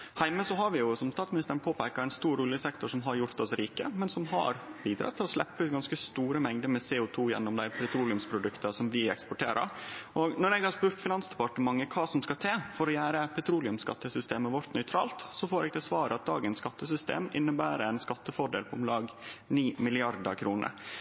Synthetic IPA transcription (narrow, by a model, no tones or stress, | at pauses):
hæɪməsɔɦɑɾʋɪjʊsɔmst̪ɑːt̪smnɪst̪əɾənpʰoːpʰæɪkɑɾæɪnst̪uːɾuːlɪəsɛk̚t̪ʊʂɔmɦɑɾjʊɾt̪ɔsɾiːkəmɛnsɔmɦɑ̰ɾbiːd̪ɾɑ̰t̪ʰːɪlɔslɛ̰pːəʉːt̪̚ɡɑnskəst̪uːɾəmɛŋd̪əɾmɛseːʊt̪ʰuːjɛ̰nːɔmd̪æɪpʰɾɛt̪ʰɾuːlɪʉmspʰɾʊd̪ʉkt̪əsɔmʋɪɛ̰kspɔʈʰeːɾə̰ɾʔɔɡnɔɾɛɡhɑɾspʉːɾt̪fɪnɑnsd̪ɛpɑʈəmɑŋːəkʰɑːsɔmskɑt̪ʰeːfɔɾɔjæːɾəpʰɛt̪ʰɾuːlɪʉmskɑ̰t̪ːəsʏst̪eːməʋɔɾt̪nœʏt̪ʰɾɑ̰ːlt̪sɔfoːɾɛɡt̪ɛsʋɑːɾəɑt̪̚d̪ɑ̰ːɡənsskɑt̪ːəsʏst̪ḛːmɪ̰nːəbæːɾəæɪnskɑt̪ːəfɔɖḛlpʰɔɔmlɑːɡniːmɪlɪɑɾd̪ɑ̰kʰɾuːnə̰ɾ